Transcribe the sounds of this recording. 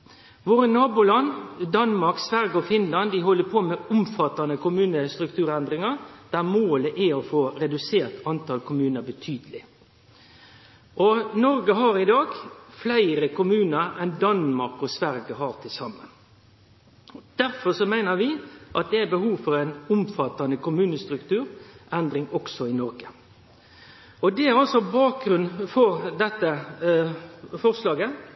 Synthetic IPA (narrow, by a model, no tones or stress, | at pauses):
ʋoːɾənɑːbʊlɑnd̪ɑnmɑɾksʋæɾɡəɔfɪnlɑnd̪ɪɦɔlːəpʰɔmɛʊmfɑt̪ːɑnəkʰʊmʉːnəst̪ɾʉkt̪ʰʉːɾɛnd̪ʁɪŋɑɾd̪̥æɾmoːləʔæɔfoːɾɛd̪ʉseːɾt̪ɑnt̪ʰɑlkʰʊmʉːnəɾbət̪ʰyːd̪əlɪ | ʔɔnɔɾɡəɦɑɾɪd̪ɑːɡflæɪɾəkʊmʉːnəɾɛnd̪ɑnmɑɾkɔsʋæɾɡəɦɑːɾt̪ʰɪlsɑmːə̰n | d̪̥æɾfɔʁsɔmæɪnəɾʋɪʔɑt̪̚d̪ɛæbəhuːʋfɔɾæɪnʊmfɑt̪ːɑnəkʊmʉːnəst̪ɾʉkt̪ʰʉːɾʔɛnd̪ɾɪŋɔksɔɪnɔɾɡə | ɔd̪ɛæɾɑlsɔbɑːk̚ɡɾʉnfɔɾd̪ɛt̪ːə | fɔʁslɑːɡə